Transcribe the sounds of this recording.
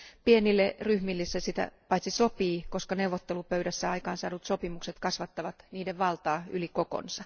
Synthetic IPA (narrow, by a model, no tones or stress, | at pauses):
pienilːeryhmilːisːæsit̪æ̰pɑit̪sisopiːkoskɑneuʋːot̪ːelupøyɾæsːæɑikɑːnsɑ̰ːnut̪sopimukset̪kɑsʋɑt̪ːɑʋɑt̪niːdeʋʋɑlt̪ɑːylikoko̰nsɑ